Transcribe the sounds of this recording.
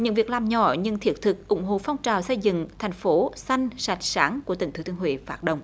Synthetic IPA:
ɲɨ̰˧˥ŋvi˨˩əklaː˨˩mɲɔ̰˧˩ɲɨ˧ŋt̪ʰi˨˦˩ət̚t̪ʰɨ˨˩k̚ʔʊ̰˧˩ŋ͡mɦo̰˧˨fɔ˧wŋ͡mt͡ɕaː˨˩wsə˧jzɨ̰˧˨ŋt̪ʰa˨˩jŋ̟fo˨˦sa˧jŋ̟sa˨˩jt̚saː˨˦ŋkət̪ḭ˧˩ŋt̪ʰɨ˨˦t̪ʰəhwḭ˧˨faː˦˥ɗə̰˧˨wŋ͡m

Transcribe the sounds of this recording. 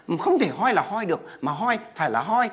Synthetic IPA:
xə˧wŋ͡mt̪ʰe˧˩ɦɔ˧jlaː˨˩hɔ˧jɗɨ˨˩ək̚maː˨˩ɦɔ˧jfaː˧˩jlaː˨˩ɦɔ˧j

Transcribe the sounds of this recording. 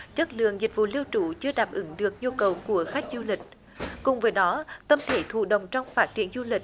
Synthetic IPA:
t͡ɕə˦˥t̚lɨ̰˧˨əŋzi˨˩k̟̚vṵ˧˨li˧əwt͡ɕṵ˧˩t͡ɕɨ˧əɗaː˨˩p̚ʔɨ˨˦ŋɗɨ˨˩ək̚ɲu˧kə˨˩wku˧˩əxa˦˥jk̟̚zu˧lï˨˩k̟̚ | kʊ˨˩ŋ͡mvəː˨˦jɗɔ˨˦t̪ə˧mt̪ʰe˧˩t̪ʰṵ˧˨ɗə̰˧˨wŋ͡mt͡ɕɔ˧wŋ͡mfaː˦˥t̚t͡ɕi˧˩ənzu˧lï˨˩k̚

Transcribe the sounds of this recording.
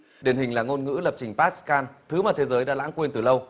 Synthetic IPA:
ɗi˨˩ənhï˨˩ŋ̟laː˨˩ŋo˧nŋɨ̰˧˥lə˨˩p̚t͡ɕï˨˩ŋ̟paː˦˥t̚skaː˧nt̪ʰɨ˨˦maː˨˩t̪ʰe˨˦zəː˨˦jɗa̰ː˧˥la̰˧˥ŋkwi˧nt̪ɨ˨˩lə˧w

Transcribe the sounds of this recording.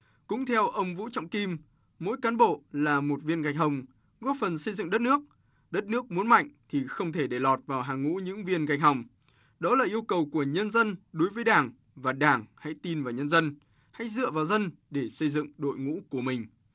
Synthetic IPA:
kʊ̰˧˥ŋ͡mt̪ʰɛ˧wʔə˧wŋ͡mvṵ˧˥t͡ɕɔ̰˧˨wŋ͡mki˧mː | o̰˧˥jkaː˨˦nɓo̰˧˨laː˨˩mo˨˩t̚vi˧ənɣa˨˩jk̟̚ɦə˧wŋ͡m | ɣɔ˦˥t̚fə˨˩nsə˧jzɨ̰˧˨ŋɗə˦˥t̚nɨ˦˥ək̚ | ɗə˦˥t̚nɨ˦˥ək̚mu˨˦ənma̰˧˨jŋ̟t̪ʰi˨˩xə˧wŋ͡mt̪ʰe˧˩ɗe˧˩lɔ˨˩t̚vaː˨˩wɦaː˨˩ŋːṵ˧˥ɲɨ̰˧˥ŋvi˧ənɣa˨˩jk̚ɦa˨˩wŋ͡m | ɗɔ˨˦laː˨˩ʔi˧əwkə˨˩wku˧˩əɲə˧nzə˧nɗo˨˦jvəː˨˦jɗaː˧˩ŋ | vaː˨˩ɗaː˧˩ŋha̰˧˥jt̪i˧nvaː˨˩wɲə˧nzə˧n | ha̰˧˥jzɨ̰˧˨əvaː˨˩wzə˧nɗe˧˩sə˧jzɨ̰˧˨ŋɗo̰˧˨jŋṵ˧˥ku˧˩əmï˨˩ŋ̟

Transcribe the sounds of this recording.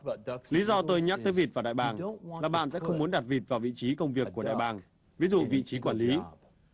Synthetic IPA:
li˨˦zɔ˧t̪o˧jɲaː˦˥k̪̚əː˨˦jvi˨˩t̚vaː˨˩ɗa̰ː˧˨jɓaː˨˩ŋlaː˨˩ɓa̰ː˧˨nsɛ̰˧˥xə˧wŋ͡mmu˨˦ənɗa˨˩t̚vi˨˩t̚vaː˨˩wvḭ˧˨t͡ɕi˨˦kə˧wŋ͡mvi˨˩əkːu˧˩əɗa̰ː˧˨jɓaː˧˩ŋ | vi˨˦zṵ˧˨vḭ˧˨t͡ɕi˨˦kwaː˧˩nli˨˦

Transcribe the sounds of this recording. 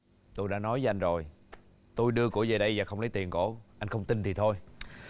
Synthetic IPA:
t̪o˧jɗa̰ː˧˥nɔ˨˦jvə˦ʔa˧jŋ̟zo˨˩j | t̪o˧jɗɨ˧əkṵ˧˩əzəː˨˩ɗə˧jvaː˨˩xə˧ŋ͡mlə˨˦jt̪i˨˩ənko̰˧˩˦ʔa˧jŋ̟xə˧wŋ͡mt̪i˧nt̪ʰi˨˩t̪ʰo˧j

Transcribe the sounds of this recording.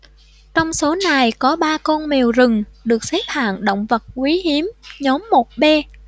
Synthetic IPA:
t͡ɕɔ˧wŋ͡mso˨˦na˨˩jkɔ˨˦ɓaː˧kɔ˧nme˨˩wzɨ˨˩ŋɗɨ˨˩ək̚sɛ˦˥p̚ha̰ː˧˨nɗə̰˧˨wŋ͡mvə˨˩t̚kwi˨˦ɦi˨˦əmɲɔ˨˦mːo˨˩t̚ɓɛ˧

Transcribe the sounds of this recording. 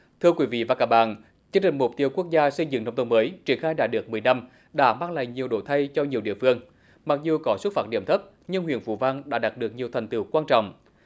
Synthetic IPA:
t̪ʰɨ˧əkwi˨˦vḭ˧˨vaː˨˩kaː˧˥k̚ɓa̰ː˧˨n | t͡ɕɨ˧əŋt͡ɕï˨˩ŋ̟mʊ˨˩k͡p̚t̪i˧əwku˦˥ək̚zaː˧sə˧jzɨ̰˧˥ŋna˧wŋ͡mt̪ə˧məː˨˦jt͡ɕi˧˩ənxaː˧jɗa̰ː˧˥ɗɨ˨˩ək̚mɨ˨˩əjna˧m | ɗa̰ː˧˥maː˧ŋla̰ː˧˨˩jŋɲi˨˩əwɗo̰˧˩t̪ʰa˧jt͡ɕɔ˧ɲi˨˩əwɗḭ˧˨fɨ˧əŋ | ma˨˩k̚zu˨˩kɔ˨˦swt̚faː˧˥t̚ɗḭ˧˩əmt̪ʰə˦˥p̚ | ɲɨ˧ŋɦwḭ˧˨ənfṵ˧˩va˧nɗa̰ː˧˥ɗaː˨˩ɗɨ˨˩ək̚ɲi˨˩əwt̪ʰa˨˩ŋ̟t̪ɨ̰˧˩wkwaː˧nt͡ɕɔ̰˧˨wŋ͡m

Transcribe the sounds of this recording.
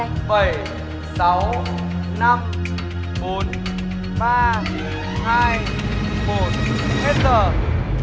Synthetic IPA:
ɓə˧˩j | sa˨˦w | na˧m | ɓo˨˦n | ɓaː˧ | haː˧j | mo˨˩t̚he˦˥t̚zəː˨˩

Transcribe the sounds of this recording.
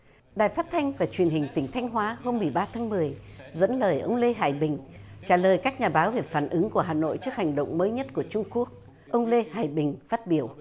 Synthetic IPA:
ɗaː˨˩jfaː˦˥t̚t̪ʰa˧jŋ̟vaː˨˩t͡ɕwi˨˩ənhï˨˩ŋ̟t̪ï˧˩ŋ̟t̪ʰjŋ̟ɦwaː˨˦ho˧mːɨ˨˩əjɓaː˧t̪ʰaː˨˦ŋmɨ˨˩əj | zə̰˧˥nləː˨˩jʔə˧wŋ͡mle˧ɦa̰ː˧˩jɓï˨˩ŋ̟t͡ɕaː˧˩ləː˨˩jkaː˦˥k̚ɲaː˨˩ɓaː˨˦wve˨˩faː˧˩nʔɨ˨˦ŋku˧˩əɦaː˨˩no̰˧˨jt͡ɕɨ˦˥ək̚ha˨˩jŋ̟ɗə̰˧˨wŋ͡mməː˨˦jɲə˦˥t̚ku˧˩ət͡ɕʊ˧ŋ͡mku˦˥ək̚ | ʔə˧wŋ͡mle˧haː˧˩jɓï˨˩ŋ̟faː˦˥t̚ɓi˧˩əw

